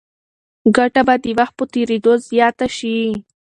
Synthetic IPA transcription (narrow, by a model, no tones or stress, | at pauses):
ɡaʈabad̪iwaxt̪̚pət̪eɾed̪ozjɑt̪aʃi